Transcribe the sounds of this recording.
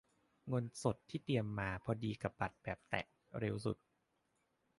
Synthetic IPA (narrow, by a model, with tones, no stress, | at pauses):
ŋo˧nso˨˩t̪ʰːiː˥˩t̪i˧əmːaː˧pʰɔ˧diː˧ka˨˩p̚ba˨˩t̪̚bɛː˨˩p̚t̪ɛ̰˨˩ʔ | ɾe˧wsṵ˨˩t̪̚